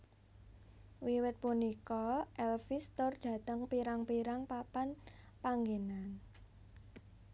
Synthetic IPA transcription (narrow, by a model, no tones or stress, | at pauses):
wiwɪt̪̚punikɔʔɛlfist̪ʊrd̥ä̤t̪əŋpiɾaŋpiɾaŋpapan | paŋɡenan